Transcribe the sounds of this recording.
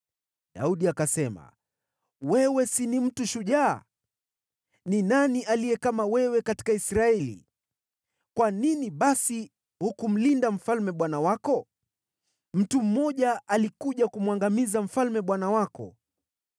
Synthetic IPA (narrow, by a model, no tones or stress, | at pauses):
ɗa̰uɗiakasɛma̰ | wɛwɛsinim̩tuʃuʄa̰ː | ninaniʔalijɛkamawɛwɛkati̥kaisɾaɛlḭ | kwaniniɓasi | hukum̩lindam̩falmɛɓwanawakɔ | m̩tum̩mɔʄaalikuʄakumwaŋɡamizam̩falmɛɓwanawakɔ̰